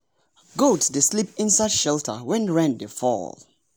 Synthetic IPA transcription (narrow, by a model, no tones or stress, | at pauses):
ɡotsdeslipɪ̃nsadʃɛltʰə̰wɛ̃nɹɛ̃ndefɔ̰l